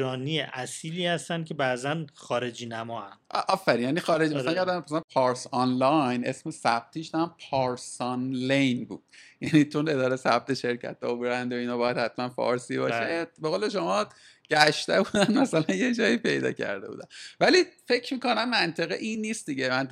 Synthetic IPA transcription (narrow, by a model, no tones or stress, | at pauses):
ɾɒːnijeʔæsiːliːhæst̪æn̚cʰebæːzænxɒːɾed͡ʒiːnæmɒːænʔʔɒfːæɾinjænixɒːɾed͡ʒimæsææjæd̪æmʰæslænpʰɒɾsɒnlɒjnʔe̞smesæb̥̚t̪ʰiːʃd̪æmpʰɒɾsɒnlejnbṵːd̪̥jæniːt͡ʃʰone̞d̪ɒːɾejsæb̚t̪ʰe̞ʃe̞ɾcʰæ̰t̪̚ːɒ̰obɾænd̪oinɒːbɒːjæd̪hæt̪mænfɒ̰ːɾsibɒ̰ːʃebeɣoːle̞ʃo̞mɒː | ɟ̥æʃt̪ebud̪ænmæsælænjed͡ʒɒːipʰe̞jd̪ɒ̰ːcʰæ̰ɾd̪e̞bṵːd̪ævælife̞cʰmiːko̞næmːænt̪ʰe̞ɣiʔinːist̪̚d̪iɟemænt̪